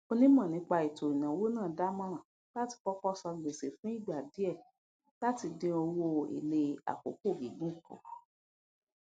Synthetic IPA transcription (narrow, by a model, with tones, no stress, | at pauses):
o˧nĩ˦mã˦˨nĩ˨˦k͡pa˧i˨to˨ĩ˨nã˨wo˦nã˦˨da˦mã˦ɾã˦˨ | la˦ti˧kɔ˦kɔ˦sɔ˧ɡ͡be˨se˨fũ˦i˦˨ɡ͡ba˨di˨˦ɛ˦˨ | la˦ti˧dĩ˧o˧wo˧ḛ˨le˧a̰˨ko̰˨˦ko˦˨ɡi˨ɡũ˦kɔ̰̃˨